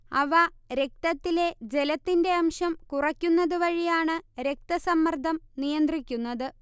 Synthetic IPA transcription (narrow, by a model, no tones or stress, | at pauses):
ɐʋɐɾe̞k̚t̪ɐt̪ːile̞d͡ʑe̞lɐt̪ːinde̞ɐmʂɐmkurɐkʲːunːɐðɨʋɐɻijaːɳɨɾe̞k̚t̪ɐsɐmːɐrd̪ʱɐmnijɐnd̪rikʲːunːɐðɨ